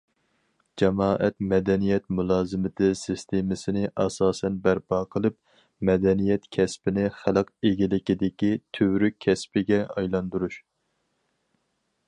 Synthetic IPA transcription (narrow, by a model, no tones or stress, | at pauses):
d͡ʒɛmɑːʔɛt̪mɛd̪ɛnijɛt̪mulˠɑːzɨmɪt̪ʰɨsɨst̪ʰemɪsɪnɪʔɑsɑːsɛnbæɾpʰɑqʰəlˠɨp̚ | mɛd̪ɛnijɛt̪kʲʰɛspɪnɪχælˠqeɡʲilɪkʲid̪ɪkʲit̪ʰøwɾykʲʰːɛspɪɡʲɛɑjlˠɑnd̪uɾuʃ